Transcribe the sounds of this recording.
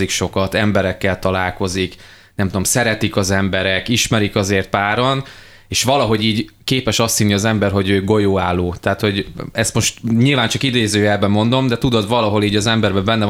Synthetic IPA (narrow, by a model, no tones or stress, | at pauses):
ikʃo̞kɒt̪ɛmbɛɾɛkːɛlt̪ɒlaːlko̞zik | nɛmt̪ud̪o̞msɛɾɛt̪ikɒzɛmbɛɾɛkiʃmɛɾikɒzeːrt̪̚paːɾon | eːʃʋɒlɒɦo̞ɟiːɟkeːpɛʃɒst̪sinːiɒzɛmbɛrɦo̞ɟøːɡo̞joːaːlːoːt̪aːt̪ho̞ɟɛst̪mo̞ʃt̪ɲilvaːnt͡ʃɒkid̪eːzøːjɛlbɛmo̞nd̪o̞md̪ɛt̪ud̪o̞d̪ʋɒlɒɦo̞liːɟɒzɛmbɛrbɛbɛnːɛ